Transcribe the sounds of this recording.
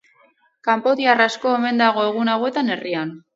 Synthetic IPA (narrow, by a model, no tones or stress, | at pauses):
kampo̞ðiarasko̞e̞me̞nd̪aɣ̞o̞e̞ɣ̞unawe̞t̪ane̞rian